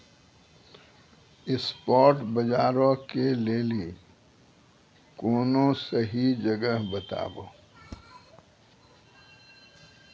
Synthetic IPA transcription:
ɪspɔːɾʈbəd͡ʒaːɾokeleːli | koːnõsəɦid͡ʒəɡəɦbət̪a̰ːbo̰ː

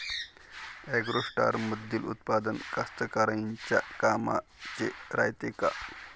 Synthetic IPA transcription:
eɡɾoʂʈa̰ːɾməd̪ːilṵt̪̚paːd̪ənkɐst̪əkɐɾaint͡ɕakaːma̰t͡ɕeɾa̰ːjt̪eka̰

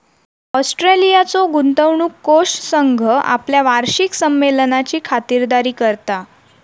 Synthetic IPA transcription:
ɔsʈɾelijat͡soɡunt̪əʋɳuːkːoʂʈsəŋɡʱəʔa̰pljaʋaɾɕiksəmːelnat͡ɕiːkʰat̪iːɾd̪aɾiːkəɾt̪a

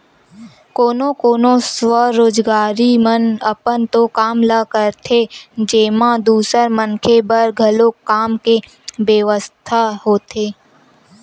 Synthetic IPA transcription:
koːnõkoːnoswəɾoːd͡ʒɡaːɾimənəpənt̪okaːmlakəɾt̪ʰed͡ʒeːmãd̪uːsəɾmənkʰebəɾɡʱɐlokaːmke | ʋeʋəst̪ʰaɦoːt̪ʰeː

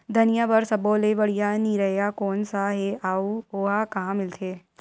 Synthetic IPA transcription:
d̪ʱɐnɪjabɐɾsɐboːlebɐɽijaniɾɐɦjakɔːnsaɦeʔaːuoːakɐɦãmɪlt̪ʰeː

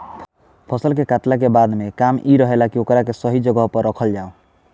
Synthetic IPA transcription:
pʰɔsəlkekat̪lak̬ebad̪mekamiɾɔɦelakiokɔɾakesɔɦid͡ʒɔɡɔɦpɔɾːɔkʰəld͡ʒaõ

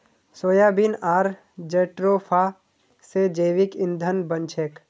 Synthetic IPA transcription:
soːjaːbinaːɾ | d͡ʒeʈɾopʰa | sed͡ʒeːʋɪkɪ̃nd̪ʱənbə̃nt͡ʃʰeːk

